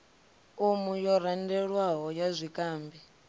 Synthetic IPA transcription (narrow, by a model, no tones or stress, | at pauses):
umujɔɾandɛɺwaɦɔjazʷikʼaːmbi